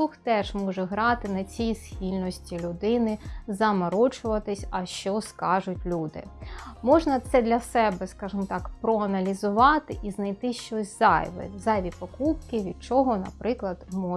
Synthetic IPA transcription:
uxt̪ɛʒ̥mɔʒɛɦɾɑt̪ɪnɐt͡sʲijisxʲilʲnɔsʲtʲilʲʊd̪ɪnɪzɐmɐɾɔt͡ʃʊʋɐt̪ɪsʲɐʃt͡ʃɔskɑʒʊtʲlʲud̪ɪ̰mɔʒnɐt̪sɛd̪lʲɐsɛbɛskɑʒɨmɔt̪ɑkpɾɔɐnɐlʲizʊʋɑt̪ɪʔiznɐjt̪ɪʃt͡ʃɔsʲz̥ɑ̰jʋɪ̰zɑjʋʲipɔkup̚kɪʋʲid̪̚t͡ʃɔɦɔnɐ̰pɾɪklˠɐd̪mɔ

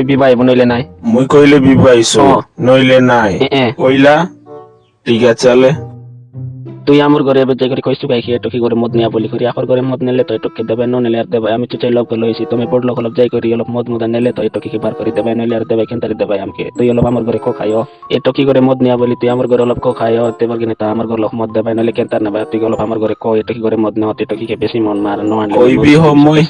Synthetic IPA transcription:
ibibajbunɔjlenaj̃muikoilebibajsuɔnojlenajʔɛ̃koila | ʈiɡat͡ʃale | t̪uiamɔɾɡʱɔɾebɛd͡ʒajkɔɾikɔisukajkʰieʈɔkiɡɔɾemɔd̪nijabolikɔɾiapʰɔɾɡʱɔɾemɔd̪nɛlet̪ɔeʈɔkːed̪ɛbajnɔnɛlɛaɾd̪ɛbajamit͡ʃut͡ʃalɔb̚kɔlɔjt͡ʃʰit̪ɔmebɔɽlɔkʰɔlɔbd͡ʒajkɔɾiɔlɔbmɔd̪mɔd̪ʱanɛlet̪ɔeʈɔkikebʱaɾkɔɾid̪ɛbajnɔlɛaɾd̪ɛbajkɛnt̪aɾid̪ɛbajamkḛt̪uiɔlɔpamɔɾɡʱɔɾekɔkʰa̰jɔ | eʈɔkiɡɔɾemɔd̪niabolit̪uiamɔɾɡʱɔɾeɔlɔb̚kɔkʰajɔt̪ebɔɾɡenɛt̪aamɔɾɡɔɾlɔkmɔd̪̚ːɛbajnɛlɛkɛnt̪aɾnɛbajt̪uikɔlɔbamɔɾɡʱɔɾekɔeʈɔkiɡɔɾemɔd̪nɛɔt̪ɔiʈɔkikebesimɔnmaɾnɔanloibiɦɔmoj

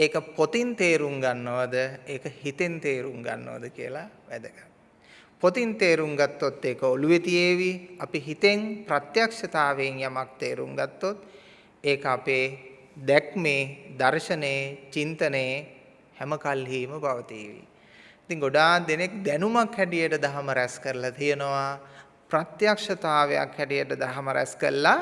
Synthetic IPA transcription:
eːkəpot̪int̪eːɾuŋɡanːəʋad̪əeːkəhit̪ent̪eːɾuŋɡa̰nːə̰ʋa̰d̪əkiə̰laʋæd̪əɡa | pot̪int̪eːɾuŋɡat̪ːot̪ːeːkəoluʋet̪ijeːʋiapiɦit̪eŋpɾat̪jakʂɐt̪aːʋeŋjamak̚t̪eːɾṵŋɡat̪ːot̪ | eːkəapeː | d̪ɛkmeːd̪aɾʃɐneːt͡ʃint̪əneː | hɛməkalɦiːməbaʋət̪ḭːʋḭ | it̪iŋɡoɖaːd̪enek̚d̪ɛnumakhɛʈijəʈəd̪aɦɐməɾɛskəɾəlat̪ijənoʋa | pɾat̪jakʂɐt̪aːʋeja̰khɛʈijəʈəd̪aɦɐməɾɛ̰skə̰ɾəla

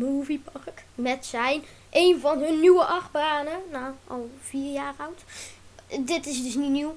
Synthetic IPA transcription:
muːvipɑrkmɛtsɛjn | ʔejnvɑnɦɵnːywəʔɑχbaːnənaːʔɑlˠv̥iːrjaːrʌwt | dɪtɪs̬dəsninyw

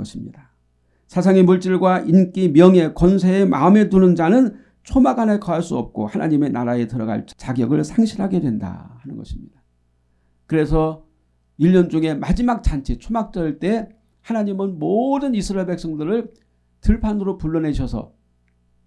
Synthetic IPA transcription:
ʌɕʰimɲḭda | sʰas̬ʰaŋemuɭt͡ɕ͈iɭɡwaʔink͈imjʌŋe̞kʌns̬ʰe̞ːmʔa̰ɯme̞tunɯnd͡ʑanɯn | t͡ɕʰomaɡanekʌɦaɭs͈uʌ̰p̚k͈o̰hanʔaɲime̞naɾae̞tɯɾʌɡa̰ɭt͡ɕt͡ɕaɡjʌɡɯɭsʰaŋɕʰiɾɦaɡe̞dwe̞nda̰hanɯnɡʌɕʰi̥mɲḭd̥a | kɯɾe̞sʰʌ | iʎːʌnd͡ʑuŋe̞mad͡ʑimak̚t͡ɕ͈ant͡ɕʰe̞t͡ɕʰomak̚t͡ɕ͈ʌɭt͈e̞ | hanaɲimɯnmodɯnisʰɯɾaeɭbe̞k̚s͈ʌŋdɯɾɯɭ | tɯɭpʰanɯɾopuɭːʌnɦe̞ɕʰʌsʰʌ̰

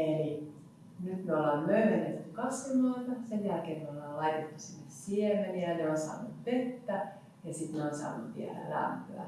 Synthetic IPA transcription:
eli | nyt̪meolːɑːmmøyhænḛt̪t̪ːykɑsʋunːoit̪ɑsenjælkeːnmeolːɑːllɑit̪et̪ːusinːessiemeniæneonsɑ̰ːnut̪ʋet̪ːæ | jɑsit̪neonsɑ̰ːnːut̪ːḭæ̰læ̰mpø̰æ̰

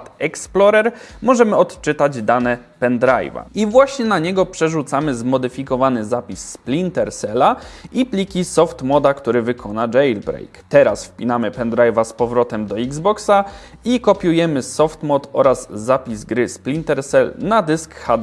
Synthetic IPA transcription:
t̪ɛksplɔɾɛɾ | mɔʐɛmɘɔt̪t͡ʂɘt̪ad͡ʑd̪anɛ | pɛnd̪ɾa̰jva̰ivwaɕɲɛnaɲɛɡɔpʂɛʐut̪samɘzmɔd̪ɘfʲikɔvanɘzapʲisːplʲint̪ɛɾsɛlaiplʲikʲisɔft̪mɔd̪akt̪uɾɘvɘkʰɔnad͡ʒɛjlbɾɛ̰jkt̪ɛɾa̰sfpʲinamɘpɛnd̪ɾajvaspɔvɾɔt̪ɛmd̪ɔiɡzbɔksa | ikɔpʲjujɛmɘsɔft̪mɔt̪ɔ̰ɾazːapʲizɡɾɘsplʲint̪ɛɾsɛlnad̪ɘskxad̪

